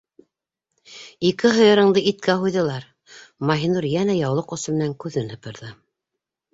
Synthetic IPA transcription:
ikɘɦɤ̆jɤ̆ɾɤ̆ɴd̪ɤit̪kæɦujðɤ̆lˠɑɾ | mɑɦinuɾjænæjɑwlˠɤqŏsɤmɘ̆næŋkʉðɘnɤ̆pɤ̆ɾðɤ

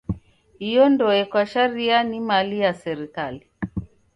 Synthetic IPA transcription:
hijɔndɔɛkwaʃaɾianimalijasɛɾikali

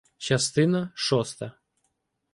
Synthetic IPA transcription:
t͡ʃast̪ɪnɐʂɔst̪ɐ

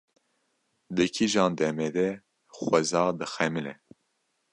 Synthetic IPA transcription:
d̪ɨkʰiʒɑːnd̪ɛmɛd̪ɛ | xʷɛzɑːd̪ɨxɛmɨlɛ

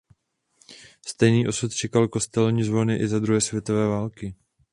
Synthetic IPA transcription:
st̪ɛjniːʔo̞sut̪t͡ʃɛkalko̞st̪ɛlɲiːzvo̞nɪʔɪzad̪ɾuɦɛːsvjɛt̪o̞vɛːvaːlkɪ

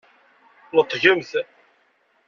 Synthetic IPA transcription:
nət̪ˤːʝəmθ

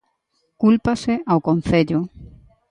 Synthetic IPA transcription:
kulpaseʔawkon̟θeʎʊ

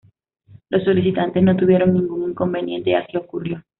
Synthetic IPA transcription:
lo̞sːolisit̪ant̪e̞sno̞t̪uβje̞ɾo̞ŋnĩŋɡuŋiŋko̞mbe̞njẽ̞̰nt̪e̞a̰siokurjo̞

